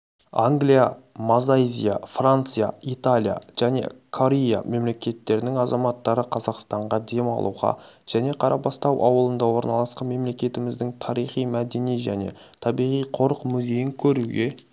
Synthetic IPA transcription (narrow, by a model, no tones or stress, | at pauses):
aŋɡlijamazajzʲḭja̰frant̪sɨja̰it̪alʲija̰ʒ̥æne̞̰kʰo̞ɾʲeja̰me̞mle̞kʲe̞t̪ːe̞ɾɪnɪŋɑzɑmɑt̪ːɑɾəqʰɑzɑqst̪ɑɴʁɑd̪e̞mɑ̰lˠuʁɑ̰ | ʒ̥æne̞qʰɑɾʔɑpɑst̪ɑwʔɑ̰wəlˠənd̪ɑwo̞ɾnɑlˠɑsqɑnme̞mle̞kʲe̞t̪ɪmɪzd̪ɪŋt̪ʰɑɾijχijmæd̪e̞niʒæne̞̰ | t̪ʰɑbijʁijqʰo̞ɾəqmʏze̞jɪŋkʲʰɵɾuɡʲe̞